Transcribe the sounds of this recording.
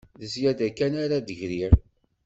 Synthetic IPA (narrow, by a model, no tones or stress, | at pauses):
ðəzjæd̪ækːænaɾad̪əʝɾiɾ